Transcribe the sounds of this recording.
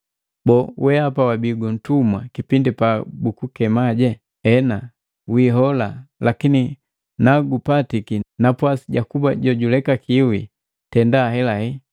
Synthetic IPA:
bɔwʔɛapawabiɡun̩tumwa̰kipindipabukukɛmaɟɛ | ɛna | wiɦɔlalakini | naɡupatikinapwasiɟakubaɟɔɟulɛkakʰiwi | tɛndaɦɛlahi

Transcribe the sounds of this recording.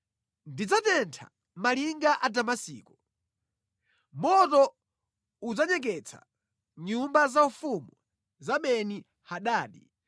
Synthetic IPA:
ndid͡zatɛntʰa̰ | maliŋɡaʔadamasiːkɔ | mɔtɔ | ud͡zaɲɛk̬ɛt͡sʰḁ̰ | ɲumbazaufumu | zamɛni | haɗaːɗi

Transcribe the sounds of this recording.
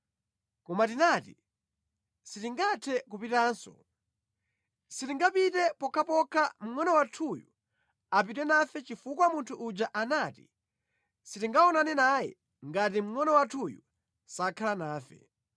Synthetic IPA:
kɔmatinati | sitiŋɡatʰɛkupitaːnsɔ̰ | sitiŋɡapitɛpɔkʰapɔkʰam̩ŋɔnɔwatʰuju | ap̬itwɛnafɛt͡ʃifukwamuntʰuʔːd͡ʒaʔanaːtḭ | sitiŋɡaɔnanɛnaːjɛ̰ | ŋɡat̬im̩ŋɔnɔwatʰujṵ | sakʰalanaːfɛ̰

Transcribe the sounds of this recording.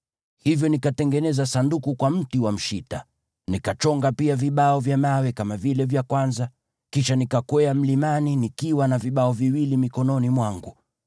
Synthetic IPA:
hivjɔnikatɛŋɡɛnɛzasandukukwam̩tiwam̩ʃita | nikat͡ʃɔŋɡapiaviɓaɔvjamawɛkamavilɛvjakwanza | kiʃanikakwɛam̩limaninikiwanaviɓaɔviwilimikɔnɔnimwaŋɡu

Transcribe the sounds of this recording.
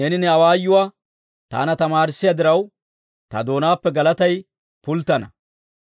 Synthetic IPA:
nenɪnɛɐwaːjːʊwaː | t̪a̰ːnɐt̪ɐmaːɾɪsːɪjad̪ɪɾɐw | t̪ɐ̰d̪o̞ːnaːpːɛɡɐlɐt̪ɐj | pʊlt̪ːɐnɐ

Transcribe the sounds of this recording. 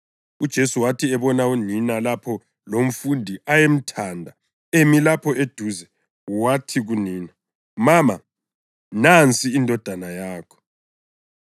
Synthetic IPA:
ud̥ʒ̥ʱesuwatʰiɛβɔnauninalapʰɔ | lom̩fundʱiʔajem̩tʰandʱa | emilapʰɔed̥ʱuːzɛ | watʰiɣuniːna | mama | nant͡sʼiːndʱɔd̥ʱanajaːkʰɔ̥

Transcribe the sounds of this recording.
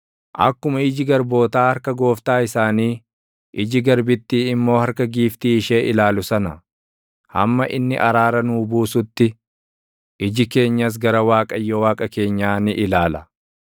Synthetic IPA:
ʔɐ̰kːʊmɐɪd͡ʒɪɡɐɾbo̞ːt̪aːhɐɾkɐɡo̞ːft̪aːɪsaːniː | ʔɪd͡ʒɪɡɐɾbɪt̪ːiːɪmːo̞ːhɐɾkɐɡiːft̪iːɪʃe̞ːʔɪlaːlʊsɐnɐ | hɐ̰mːɐʔɪnːɪ̰ʔɐɾaːɾɐnuːbuːsʊt̪ːɪ | ʔɪd͡ʒɪke̞ːɲːɐs̬ɡɐɾɐwaːkʼɐjːɔwaːkʼɐke̞ːɲːaːnɪʔɪlaːlɐ̥

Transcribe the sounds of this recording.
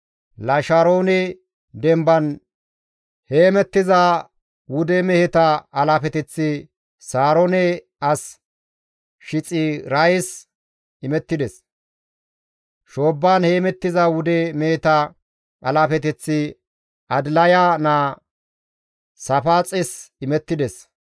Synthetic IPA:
lɐʃaɾoːnɛ | d̪ɛmbɐn | heːmɛt̪ːɪzɐ | wʊd̪ɛmɛhɛt̪ɐɐlaːfɛt̪ɛt͡sːɪ | saːɾonɛ | ɐs | ʃɪt͡sʼɪɾɐjs | ɪmɛt̪ːɪd̪ɛs | ʃo̞ːbːaːnheːmɛt̪ːɪzɐwʊd̪ɛmɛhɛt̪ɐ | ʔɐlaːfɛt̪ɛt͡sːɪ | ɐd̪lɐjanaː | sɐfaːt͡sʼɪsɪmɛt̪ːɪd̪ɛs

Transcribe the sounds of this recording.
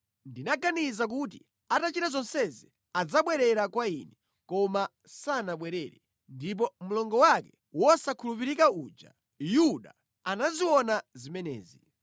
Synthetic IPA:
ndinaɡanizak̬ut̬ḭ | atat͡ʃitazɔnsɛzi | ad͡zaɓwɛɾɛɾakwaḭnɛ | kɔma | sanaɓwɛɾɛɾɛ | ndip̬ɔm̩lɔŋɡɔwakɛ | wɔsakʰulupiɾikauːd͡ʒa̰ | juɗa̰ | anaziwɔnazimɛnɛ̰ːzi

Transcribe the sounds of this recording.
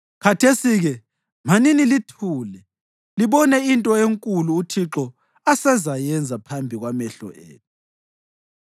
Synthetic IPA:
kʰatʰesiɣɛ | m̤aninilitʰuːlɛ | liβɔnɛintʼɔeŋkʼuluːtʰiǁɔ | asɛzajɛnd͡zʱapʰambʱiɣwamɛɬɔ̰ʔḛːt̚ʰu̥

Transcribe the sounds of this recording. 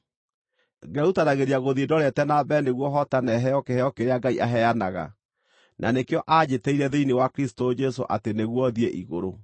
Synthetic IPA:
ɡɛutanaɣeɾiaɣoðiedɔɾɛtɛnabɛneɣwɔɦɔtanɛɦɛjɔkehɛjɔkeɾeaɡaiʔaɦɛjanaɣa̰ | nʔa̰nekeɔʔad͡ʑetɛiɾɛðeinewakɾisi̥tod͡ʒɛso̰ʔa̰teneɣwɔðiɛʔiɣo̰ɾo

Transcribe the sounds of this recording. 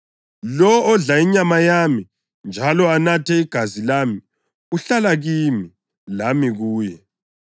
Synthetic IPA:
lɔːɮaiɲamajami | nd͡ʒʱalɔanatʰɛiɡ̥ʱazilami | uɬalaɣiːmi | lamiɣuːjɛ

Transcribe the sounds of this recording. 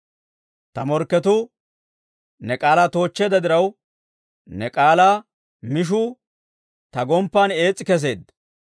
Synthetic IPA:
t̪ɐmɔɾkːɛt̪ʊ | nɛkʼaːlaːt̪o̞ːt͡ʃːeːd̪ɐd̪ɪɾɐw | nɛkʼaːlaː | mɪʃ̬ʊ | t̪ɐɡɔmpːaːneːt͡sʼːɪkɛs̬e̞ːd̪

